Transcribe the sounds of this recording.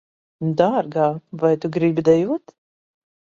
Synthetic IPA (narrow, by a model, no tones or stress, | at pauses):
d̪aɾɡaːvajt̪uɡɾibʲid̪ajuɔt̪